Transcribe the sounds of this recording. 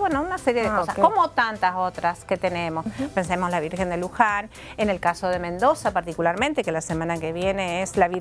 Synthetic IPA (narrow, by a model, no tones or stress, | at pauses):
wenounaseɾjeðekosaskomot̪ant̪asot̪ɾaske̞t̪ene̞mospensemoslaβ̞iɾxe̞nd̪eluxan | ene̞lkaso̞ð̞e̞mẽnd̪o̞sapaɾt̪ikulaɾmẽnt̪ekelasemãnakeβjeneeslaβiɾ